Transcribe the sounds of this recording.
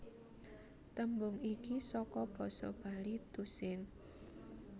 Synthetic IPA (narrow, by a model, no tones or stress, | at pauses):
t̪əmbʊŋikisɔkɔb̥ɔ̤sɔ̰b̥a̤lit̪usɪŋ